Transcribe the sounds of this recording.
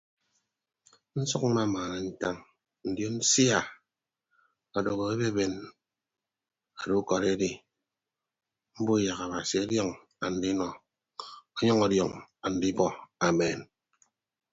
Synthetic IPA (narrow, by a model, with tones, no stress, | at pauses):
n̩˦sɔ˦kn̩˦ma˦˨maː˨ne˨n̩˦ta˦ŋ | n̩˨djo˦n̩˦si˦a˦˨ | a˨do˨ɣo˨e˦be˦be˨n | a˨du˦kɔ˨ɾe˦di˦ | m̩˦bu˦˨ja˨ka˨ba˨si˨ɔ˦djɔ˦ŋ | a˨n̩˨di˦nɔ˨ | ɔ˦ɲɔ˦ŋɔ˦djɔ̰˨ŋa˨n̩˨di˦bɔ˦a˨me˨n